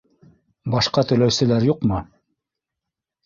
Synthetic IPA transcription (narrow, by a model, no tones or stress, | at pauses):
bɑʃqɑt̪ɵ̆læwsɘ̆læɾjuqmɤ